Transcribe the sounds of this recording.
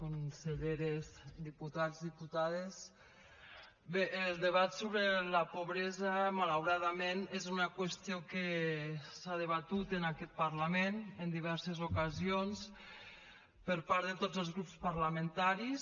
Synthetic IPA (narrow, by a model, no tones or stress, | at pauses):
konseʎeɾezd̪iput̪azðiput̪aðes | beʔːlˠd̪əβat̪soβɾelapoβɾɛzamalawɾaðamenezunakwəst̪ioke | saðəβ̞at̪ut̪ənakɛt̪̚paɾlamenənd̪iβ̞ɛɾsezokazions | pəɾpaɾðət̪od͡zəlˠzɣɾupspaɾlament̪aɾis